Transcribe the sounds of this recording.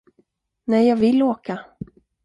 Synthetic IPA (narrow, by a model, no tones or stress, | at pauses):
nɛjjɑːɡvɪlːoːka